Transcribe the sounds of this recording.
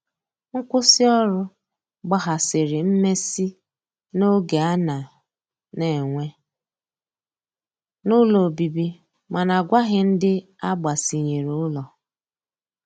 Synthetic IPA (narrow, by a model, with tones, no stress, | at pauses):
ŋ̩˦kʷʊ˦sɪ˦ɔ˦ɾʊ˦ | ɡ͡ba˦ɦa˨sɪ˨ɾɪ˨m̩˦me˦si˦ | no˦ɡe˨a˦na˨ | ne˨ŋʷe˦ | nʊ˦lɔ˨bi˨bi˦ | ma˨na˨ɡʷa˦ɣɪ˦n̩˦dɪ˦ | a˦ɡ͡ba˨si˨ɲe˨ɾʊ˦lɔ˨